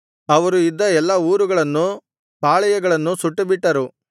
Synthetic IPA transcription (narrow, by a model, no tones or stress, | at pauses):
ɐʋɐɾuid̪ːɐɛlːɐuːɾuɡɐɭɐnːu | paːɭɐjɐɡɐɭɐnːusuʈːɐbiʈːɐɾu